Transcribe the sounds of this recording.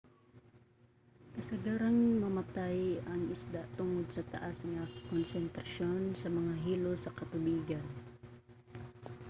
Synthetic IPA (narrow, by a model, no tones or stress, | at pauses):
kɐsɐɡaɾaŋmɐmɐt̪ajɐŋɪsd̪at̪ʊŋod̪̚sɐt̪ɐʔasŋɐkonsɛnt̪ɾɐʃonsɐmɐŋaɦiːlosɐkɐt̪ʊbiːɡan